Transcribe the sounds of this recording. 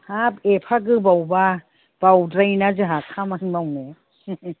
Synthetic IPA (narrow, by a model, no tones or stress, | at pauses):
hapepʰaɡɯbawba | b̥awdɾajnazɯɦakʰamanmawne